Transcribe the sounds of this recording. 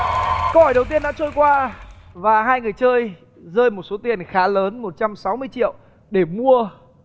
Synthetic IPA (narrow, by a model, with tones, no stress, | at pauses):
ko˧whɔ˧˩jɗə˨˩wt̪̬i˧ənɗa̰ː˧˥t͡ɕəː˧jkwaː˧vaː˨˩ɦaː˧jŋɨ˨˩əjt͡ɕəː˧j | zəː˧jmo˨˩t̚so˨˦t̪i˨˩ənxaː˨˦ləː˨˦nmo˨˩t̚t͡ɕa˧msa˨˦wmɨ˧əjt͡ɕḭ˧˨ə˨w | ɗe˧˩mu˧ə